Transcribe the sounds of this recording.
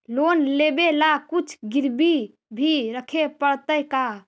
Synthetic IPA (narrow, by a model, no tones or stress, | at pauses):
lonlebelakut͡ʃʰɡiɾbi | bʱiɾəkʰepəɽt̪əjka